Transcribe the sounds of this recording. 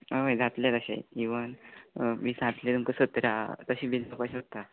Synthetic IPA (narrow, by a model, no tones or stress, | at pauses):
əʋəjd͡zat̪let̪əɕa̰jiʋənmiːd͡zʱat̪let̪umkəsət̪ɾat̪əɕiːbid͡zapajɕot̪ːa